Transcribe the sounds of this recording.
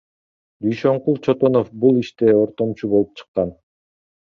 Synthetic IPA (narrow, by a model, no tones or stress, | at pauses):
d̪yjʃøɴqulˠt͡ʃʰot̪o̞nofbulˠiʃt̪eo̞ɾt̪o̞mt͡ʃubo̞lˠup̚t͡ʃʰɯ̥qːɑn